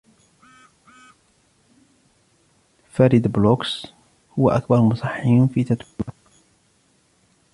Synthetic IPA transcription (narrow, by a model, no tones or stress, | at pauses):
faɾid̪bloks | hʊwa̰ʔa̰kbɑɾˤmʊsˤɑħinfiːt̪at̪ba